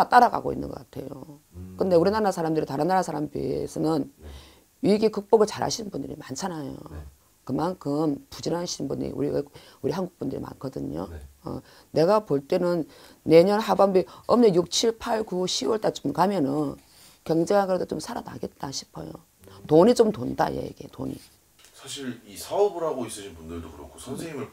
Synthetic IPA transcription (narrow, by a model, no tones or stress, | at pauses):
at͈aɾaɡa̰ɡoḭnːɯnɡʌk͈atʰe̞̰jo̰ | kɯnde̞uɾinaɾasʰaɾamdɯɾitaɾɯnːaɾasʰaɾamdḭesʰʌnɯn | ɥiɡikɯk̚p͈oɡɯɭt͡ɕaɾɦa̰ɕʰinɯnbundɯɾḭmant͡ɕʰanajo̰ | kɯmankʰɯmpud͡ʑinɦaɕʰinbunɲḭṵɾi | uɾiɦanɡuk̚p͈undɯɾḭma̰nkʰʌdɯɲo̰ʌ̰ | ne̞ɡapoɭt͈e̞nɯnː | e̞ɲʌnɦabambiʌmnejuk̚t͡ɕʰiɭpʰaɭɡuɕʰiwʌɭt͈at͡ɕomkamjʌnɯn | kʌŋd͡ʑeŋɦaɡeɾadot͡ɕomsʰaɾana̰ɡe̞t̚t͈aɕʰi̥pʰʌ̰jo̰ | toɲit͡ɕomtonda̰jḛḭɡe̞̰to̰ɲḭ | sʰaɕʰiɾisʰaʌbɯɾɦaɡois͈ɯɕʰinbundɯɭdokɯɾʌkʰosʰʌnsʰeŋimɯɭ